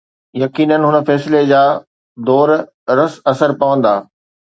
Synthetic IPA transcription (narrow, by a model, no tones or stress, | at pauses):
jɐkiːnənɦʊnə̆fɛːsɪled͡ʑaː | d̪ɔːɾ | ɾɐsɐsəɾpɐʋə̃nd̪aː